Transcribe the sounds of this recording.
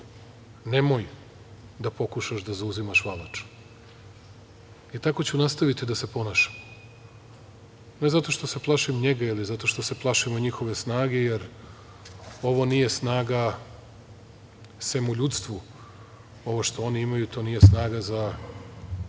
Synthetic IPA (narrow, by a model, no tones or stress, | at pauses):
nemoj | d̪apo̞kuʃaʃd̪azauzimaʃʋalˠat͡ʃ | it̪ako̞t͡ɕunast̪aʋit̪id̪ase̞po̞naʃḁmo | ne̞zat̪o̞ʃt̪o̞se̞plˠaʃimɲe̞ɡailizat̪o̞ʃt̪o̞se̞plˠaʃimoɲixo̞ʋe̞snaːɡe̞jeɾ | o̞ʋo̞nije̞snaːɡa | semuʎut̪st̪ʋu | o̞ʋoʃt̪o̞o̞niimajut̪ʰo̞nije̞snaːɡaza